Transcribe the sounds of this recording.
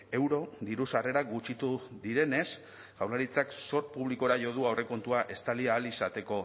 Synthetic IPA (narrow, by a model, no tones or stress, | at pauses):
e̞wɾo̞ðiɾusare̞ɾaɡut͡ʃit̪uðiɾe̞ne̞s | ʝawlaɾit͡sakso̞ɾpuβliko̞ɾaʝo̞ð̞uawre̞ko̞nt̪uaʔe̞st̪aliaːlisat̪e̞ko̞